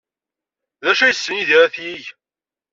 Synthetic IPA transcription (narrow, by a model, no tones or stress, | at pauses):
ðæʃæjəsːəniðiɾæθjiʝ